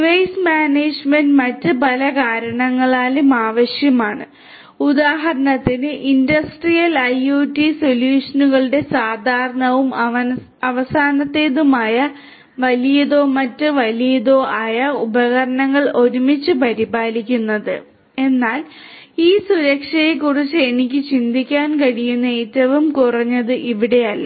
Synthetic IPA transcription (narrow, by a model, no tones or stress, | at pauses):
ʋɐjsmaːneːd͡ʑmendmɐtːɨpɐlɐkaːɾɐɳɐŋːɐɭaːlumaːʋɐɕjɐmaːɳɨ̰ | ud̪aːɦɐɾɐɳɐt̪ːinɨʔindɐsʈrijɐlɐjuːtːiso̞ljuːʂɐnuɣɐɭɨɽe̞saːd̪ʱaːɾɐɳɐʋum | ɐʋɐsaːnɐt̪ːe̞ːðumaːjɐ | ʋɐlijɐðo̞ːmɐtːɨʋɐlijɐðo̞ːʔaːjɐubɐɣɐɾɐɳɐŋːɐɭo̞ɾumit͡ɕːɨpɐɾibaːlikʲːunːɐðɨ̰ | e̞nːaːl | iːsuɾɐkʂɐjekurit͡ɕːɨenikʲːɨt͡ɕind̪ʱikʲːaːnkɐɻijunːɐeːtːɐʋumkurɐɲːɐðɨʔiʋiɽe̞jɐlːɐ